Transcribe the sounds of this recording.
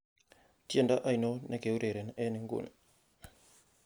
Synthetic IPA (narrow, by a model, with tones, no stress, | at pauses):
ti˦e˦˨nda˦ʔa˦˨jno˦nʔe˦ke˨u˦ɾe˨ɾe˨nɛ˦ni˨˦ŋɡṵ˨n